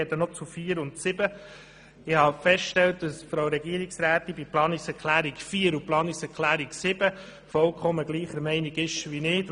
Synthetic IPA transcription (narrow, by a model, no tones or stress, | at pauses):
ɛdənɔt͡sufiːəɾʊntsɪbə | ɪhɑfɛsʃtɛlt̚d̥ɑsfɾawɾɛɡiːəɾiksɾæːt̪ːibiplɑːniksɛɾkχlæːɾikfiːəɾuplɑːniksɛɾkʰlæːɾiksɪb̥ə | fɔlkʰχɔməɡ̥liːχəɾmɛɪniɡɪʃʋinɪːt